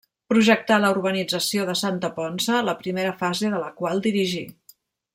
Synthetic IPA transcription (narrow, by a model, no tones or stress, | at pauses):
pɾuʒək̚t̪aləuɾβənid͡zəsioðəsant̪əpɔnsələpɾimeɾəfazeðələkwalˠd̪iɾiʒi